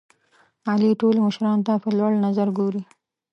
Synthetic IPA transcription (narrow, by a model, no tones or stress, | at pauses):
ɑliʈolməʃɾɑnt̪apəlwaɽnazaɾɡoɾi